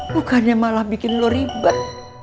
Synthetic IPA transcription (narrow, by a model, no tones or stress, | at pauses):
bukanɲamalahbikɪnloɾibət̪̚